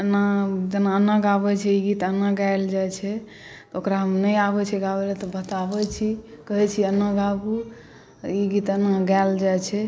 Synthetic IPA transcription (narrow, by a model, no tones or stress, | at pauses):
ənad͡ʒənaənːaɡabɛt͡ʃʰɛiɡit̪ənaɡald͡ʒajt͡ʃʰɛ | t̪ɔokɾaɦəmnəjabɛt͡ʃʰɛɡabɛlɛt̪ɔbət̪abɛt͡ʃʰikəɦɛt͡ʃʰiənəɡabu | iɡit̪ənːaɡald͡ʒat͡ʃʰɛ